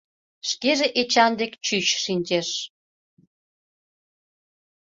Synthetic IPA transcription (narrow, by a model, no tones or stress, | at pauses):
ʃkeʒeʔet͡ɕɑnd̪ekt͡ɕyt͡ɕʃinʲt͡ɕeʃ